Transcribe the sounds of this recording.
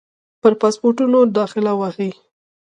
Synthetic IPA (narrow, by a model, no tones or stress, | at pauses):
pəɾpɑspoɾʈunod̪ɑxɪlawaxi